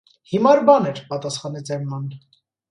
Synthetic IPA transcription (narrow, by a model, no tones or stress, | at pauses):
himɑɾbɑnɛɾpɑt̪ɑsχɑnɛt͡sɛmːɑn